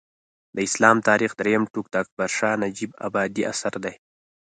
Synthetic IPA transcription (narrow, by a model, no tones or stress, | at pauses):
d̪əɪslɑːmt̪ɑːɾixd̪ɾejamʈuk̚d̪əːk̚baɾʂɑːnad͡ʒiba̰bɑːd̪iʔa̰saɾd̪aj